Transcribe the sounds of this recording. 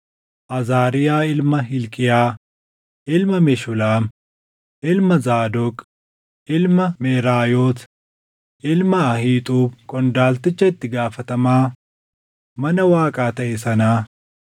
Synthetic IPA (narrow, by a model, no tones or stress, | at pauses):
ʔɐzaːɾɪjaːɪlmɐɦɪlkʼɪjaː | ʔɪlmɐmɛʃʊlaːm | ʔɪlmɐzaːd̪ɔkʼ | ʔɪlmɐmeːɾaːjoːt̪ | ʔɪlmɐːhiːt̪ʼuːbkʼɔnd̪aːlt̪ɪt͡ʃːɐɪt̪ːɪɡaːfɐt̪ɐmaː | mɐnɐwaːkʼaːt̪ɐʔɛsɐnaː